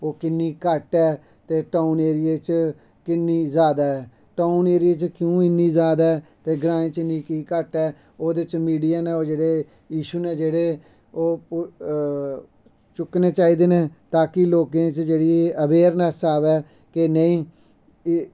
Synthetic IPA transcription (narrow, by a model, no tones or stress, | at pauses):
oːkɪnːiːkəʈɛː | t̪eːʈaːuneːɾɪjeːt͡ʃ | kɪnːiːzaːd̪aːɛː | ʈaːuneːɾɪeːt͡ʃkjũːɪnːiːzjaːd̪aːɛt̪eːɡɾãːẽːt͡ʃɪniːkiːkəʈɛː | oːd̪ɪt͡ʃmiːɖijaːnẽːoːd͡ʒeːɽeː | jiːʃuːneːd͡ʒeːɽeː | oː | t͡ʃʊkneːt͡ʃaːiːd̪eːnẽːt̪aːkɪloːkẽːt͡ʃd͡ʒeːɽiːəʋeːɾnəsaːʋɛː | kɪnəĩː